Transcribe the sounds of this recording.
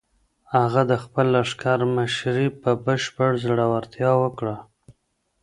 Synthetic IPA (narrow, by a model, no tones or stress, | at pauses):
haɣad̪əxpəlːaʂkaɾməʃɾipəbəʃpəɽzɽawaɾt̪jɑwəkɽa